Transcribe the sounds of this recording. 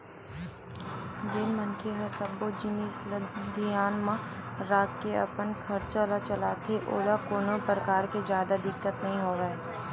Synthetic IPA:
d̪ɪnmənkʰeɦɐsəbːod͡ʒɪnisəd̪ʱijaːnmãɾaːkkːeɐ̰pənkʰɐɾt͡ʃalat͡ʃəlaːt̪ʰeʔoːlakoːnopɾəkaːɾkezjaːd̪ad̪ɪkːət̪nɐɦĩɦoːʋeː

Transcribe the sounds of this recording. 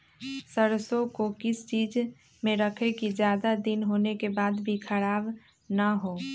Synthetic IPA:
səɾsõkokɪst͡ʃiːd͡ʒ | mẽɾəkʰekid͡ʒjaːd̪ad̪ɪnɦoːnekebaːd̪bʱikʰəɾaːb | nəɦoː

